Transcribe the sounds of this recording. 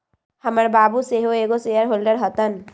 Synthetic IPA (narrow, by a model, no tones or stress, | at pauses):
həməɾbaːbuseɦoeːɡosejəɾɦoːlɖəɾɦət̪ən